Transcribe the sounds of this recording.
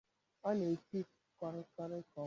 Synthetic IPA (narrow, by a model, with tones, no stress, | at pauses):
ɔ˦ne˨ki˦pkʷa˦ɾɪ˦ka˦ɾɪ˦kɔ˨˦